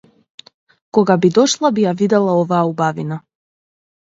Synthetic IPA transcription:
kɔɡabid̪ɔʃlˠabijavid̪ɛlˠaɔvaːubavina

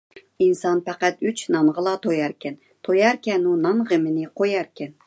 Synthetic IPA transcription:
insɑnpæqæt̪yt͡ʃnɑnʁəlˠɑt̪ʰojɑɾkʲɛn | t̪ʰojɑɾkʲɛnunɑnʁəmɪnɪqʰojæɾkʲɛn

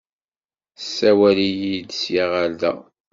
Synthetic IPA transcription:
sːæwælijid̪sjiʁald̪æ̰

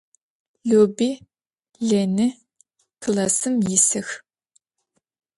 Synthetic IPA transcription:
ɮoːbiː | ɮenɨ | kʰlɐsɨmjɪsɨx

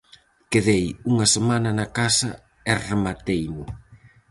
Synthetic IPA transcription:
keðejuŋɐsemanɐnakasɐ | eremat̪ejmʊ

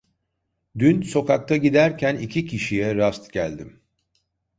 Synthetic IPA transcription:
d̪ynso̞kak̚t̪ʰaɟid̪æɾcʰænicʰicʰiʃijɛɾast̪ɟælʲd̪im

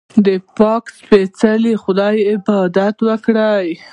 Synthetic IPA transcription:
d̪əpɑkspet͡salixʊd̪ɑjɪbɑd̪at̪wəkɽaj

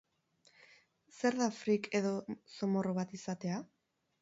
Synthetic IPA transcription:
se̞ɾðafɾike̞ðo̞so̞mo̞roβat̪isat̪e̞a

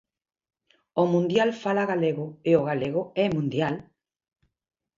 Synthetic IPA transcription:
omũnd̪jalfalaɣaleɣʊeoɣaleɣoɛmũnd̪jal

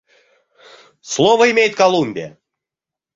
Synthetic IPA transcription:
slˠɔvəɪmʲejt̪̚kalˠumʲbʲɪə̰

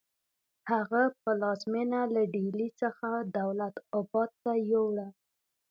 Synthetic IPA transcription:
haɣapəlɑzmenalaɖelit͡səxad̪awlat̪ɑbɑd̪̚t̪ajowɽa

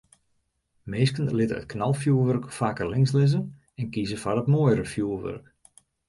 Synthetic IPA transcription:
meːskənlɪtəə̰t̚kʰnalˠfjuəʋørkfaːkərlɪŋslɪzən | ɛnkizəfarətmoːjɾəfjuəʋø̰rk

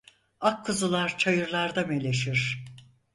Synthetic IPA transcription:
akʰːɯzɯlˠaɾt͡ʃʰajɯɾlˠaɾd̪ame̞lʲe̞ʃiɾ̥

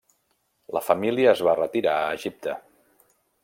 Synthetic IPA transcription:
ləfəmiliəːzβarət̪iɾaəːʒip̚t̪ə

